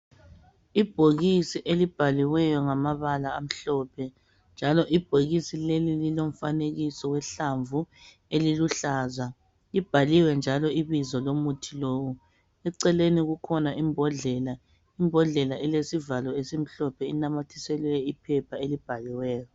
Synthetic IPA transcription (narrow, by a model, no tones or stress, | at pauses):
ib̥ʱoɣisiʔelib̥ʱaliwɛjɔŋamaβalaːm̩ɬɔpʰɛ | nd͡ʒʱalɔʔib̥ʱoɣisilelililom̩faneɣisɔwɛɬaɱvu | eliluɬaːza | ib̥ʱaliwɛnd͡ʒʱalɔiβizɔlomutʰilowu | ɛǀɛleniɣukʰɔnaʔimbʱɔɮɛla | imbʱɔɮɛlaʔɛlesivalɔesim̩ɬɔpʰɛinamatʰi̥sɛlɛipʰɛpʰaelib̥ʱaliwɛːjɔ